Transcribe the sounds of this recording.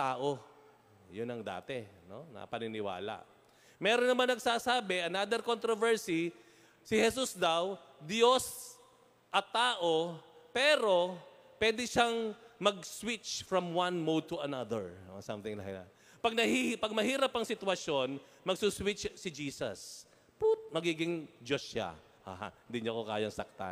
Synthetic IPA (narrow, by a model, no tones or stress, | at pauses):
t̪aːʔo | jʊnɐŋd̪a̰ːt̪ɛno̰nɐ̰ɐ̰pɐnɪnɪwa̰ːla̰ʔ | mɛːɾonːɐmanːɐɡsaːsaːbɛʔɐnad̪ɛɾkont̪ɾovɛɹsi | sɪhɛs̬usd̪ɐwd̪jo̞s | ʔɐt̪aːʔo̞pɛːɾo̞ | pwɛːd̪ɪʃaŋmɐɡ̚swɪt͡ʃfɹɐmwãnmod̪̚t̪ʊɐnad̪ɛ̰ɹo̰sɐ̰mθɪŋla̰hla̰ | pɐɡ̚nɐhihpɐɡ̚mɐhiːɾɐpɐŋsɪt̪wɐʃjon | mɐɡsuswɪt͡ʃsɪd͡ʒiːsɐ̰s | pʊt̪̚mɐɡiːɡɪŋd͡ʒosʃa̰ | ʔa̰ːha̰nd̪ɪɲoɐkoka̰ːjɐŋsɐ̰k̚t̪a̰n